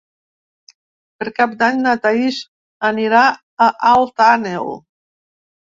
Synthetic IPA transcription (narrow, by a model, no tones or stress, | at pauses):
pəɾkap̚d̪aɲnat̪aiʃ | əniɾa | əʔalˠt̪anel